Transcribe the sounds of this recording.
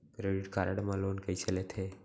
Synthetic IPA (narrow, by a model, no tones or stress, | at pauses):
pɾeɽiʈkaɾəɽmãlonkəit͡ʃəlet̪ʰe